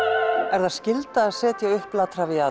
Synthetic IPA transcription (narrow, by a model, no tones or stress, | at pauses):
ɛɾðaðscɪlt̪aːðsɛːt̪jaʏhplat̪ɾavɪa